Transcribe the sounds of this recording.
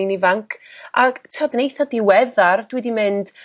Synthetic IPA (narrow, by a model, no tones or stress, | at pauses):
nivaŋkʰaɡtʰɔdnejθadɪwɛðard̥wɛdimɪnd̥